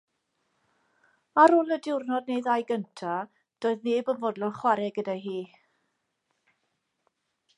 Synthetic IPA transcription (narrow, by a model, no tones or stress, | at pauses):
aɾʊlˠədɪwrnɔd̚nejðajɡəntʰa | d̥oːɨðneːbəvɔdlˠɔnχwaɾɛɡədajɦiː